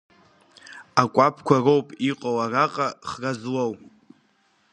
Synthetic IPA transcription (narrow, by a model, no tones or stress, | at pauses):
akʷʼapʰkʷʰarowpʼiqʼowaraqʼaχrazwow